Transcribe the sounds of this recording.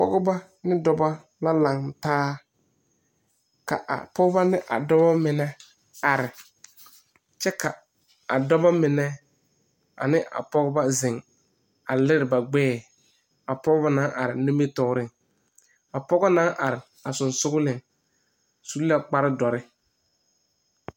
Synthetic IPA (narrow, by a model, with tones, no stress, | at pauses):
pɔ̰˦ɡɔ˦ba˦ | nɪ˦dɔ˨˦ba˦ | la˦la˨ŋtaː˦ | ka̰˨ʔa̰˨pɔ˦ɡɔ˦ba˦nɪ˦ʔa̰˨dɔ˦ba˦mɪ˨nɛ˦ | a˨ɾɪ˨ | t͡ʃɛ˦ka˨ | a̰˨dɔ˦ba˦mɪ˨nɛ˦ | a̰˨nɪ˦ʔa̰˨pɔ˦ɡɔ˦ba˦zɪ˨ŋ | a˨lɪ˦ɾɪ˨ba˨ɡ͡bɛː˦ | a˨pɔ˦ɣɔ˦ba˦nã˦ʔa˨ɾɪ˨nʊ˦me˦tɔ˨˦ɾɪ˦˨ŋ | a˨pɔ˦ɣɔ˦na˦ʔa˨ɾɪ˨ | a˨sʊ˨nsʊ˦ɣʊ˦lɪ˨ŋ | su˦lla˦k͡pa˦ɾɪ˦dɔ˨ɾɪ˦